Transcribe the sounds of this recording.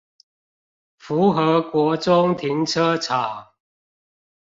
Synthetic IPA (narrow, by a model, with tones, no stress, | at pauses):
fu˨˦xə˨˦kwɔ˨˥t͡sʊ˦ŋt̪ʰi˨˦ŋt͡sʰə˦t͡sʰa˨˩˦